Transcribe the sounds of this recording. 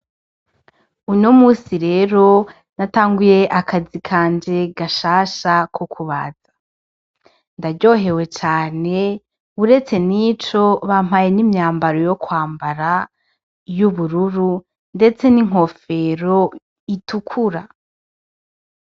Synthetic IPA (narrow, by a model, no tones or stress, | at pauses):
unomuːsiɾe̞ːɾo̞ | nataːŋɡuje̞ʔakazikʰaːnd͡ʒe̞ɡaʃaːʃakʰokʰuβaz̥ḁ | ndaɟo̞ːɦe̞we̞t͡ʃaːne̞ | uɾe̞t͡se̞nit͡ʃo̞βam̥haje̞nimɲaːmbaɾojo̞kwaːmbaɾa | juβuɾuɾu | nde̞t͡se̞niŋ̥o̞fe̞ɾo̞ | itukʰuɾa